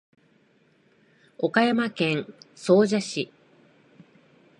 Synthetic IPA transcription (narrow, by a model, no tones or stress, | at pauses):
o̞kajamakẽ̞ŋso̞ːʑaɕi